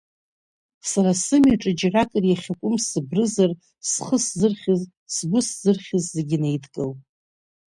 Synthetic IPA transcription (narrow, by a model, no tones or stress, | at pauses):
saɾasɨmjaʈ͡ʂʼɨd͡ʒrakʼɨrjaχʲakʷʼʊmsɨbrɨzar | sχəszɨrχʲɪz | sɡʷʊszɨrχʲɪzːe̞ɡʲɪne̞jdʰkʼɨl